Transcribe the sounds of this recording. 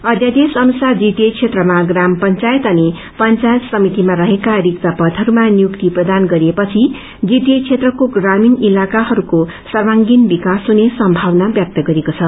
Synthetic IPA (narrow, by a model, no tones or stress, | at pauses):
ʌd̪jad̪esʌnusard͡zit̪ekt͡sʰet̪rʌmaɡrampʌnt͡sajet̪ʌni | pʌnt͡sajet̪sʌmit̪imaɾʌɦekaɾik̚t̪apʌd̪ʱɦʌɾumanjukt̪iprʌd̪anɡʌɾiepʌt͡sʰi | d͡zit̪et͡sʰet̪rʌkoɡraminilakaɦʌɾuko | sʌrmaŋɡinbikasɦunesʌmbʱawnabjʌk̚t̪ʌɡʌɾekot͡sʰʌ